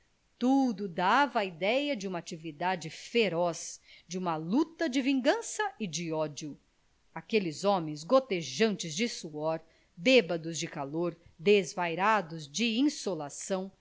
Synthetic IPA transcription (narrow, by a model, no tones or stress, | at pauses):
t̪ud̪ʊd̪avɐːid̪ɛjɐd͡ʒɪũmɐat͡ʃivid̪ad͡ʒɪfeɾɔsd͡ʒɪũmɐlut̪ɐd͡ʒɪvĩŋɡɐ̃sɐɪd͡ʒɪɔd͡ʒiʊ | akelɪzɔmẽj̃zɡot̪eʒɐ̃nt͡ʃɪzd͡ʒɪsuɔɾ | bebɐd̪ʊzd͡ʒɪkaloɾd̪ezvajɾad̪ʊzd͡ʒɪĩsolasɐ̃w̃